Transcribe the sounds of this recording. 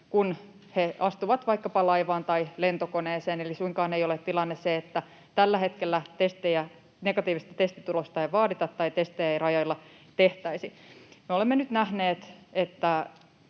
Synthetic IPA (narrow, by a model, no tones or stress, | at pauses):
kun | heɑst̪uʋɑt̪ʋɑikːɑpɑlɑiʋɑːnt̪ɑile̞nt̪okoneːseːnelisuiŋkɑːneijolet̪tilɑnːesseet̪ːæ | t̪ælːæhet̪kelːæt̪est̪ejæ | neɡɑt̪iːʋist̪æt̪est̪it̪ulost̪ɑeʋɑːdit̪ɑt̪ːɑit̪est̪ejæirɑjɑilːɑ | t̪eht̪æisimeolemːenyt̪næhneːt̪et̪ːæ